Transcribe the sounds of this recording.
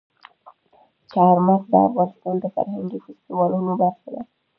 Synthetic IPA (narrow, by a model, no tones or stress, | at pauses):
t͡ʃaɾmatd̪aa̰fɣɑnɪst̪ɑnd̪əfa̰ɾhaŋɡifɪst̪iwɑlunobaɾʃʊd̪a